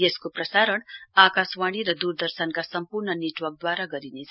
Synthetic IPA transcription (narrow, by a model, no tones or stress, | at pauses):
eskoprʌsaɾʌɳakaswaɽ̃iɾʌd̪uɾd̪ʌrsʌnkasʌmpuɾɳʌneʈwʌrk̚d̪waɾaɡʌɾined͡z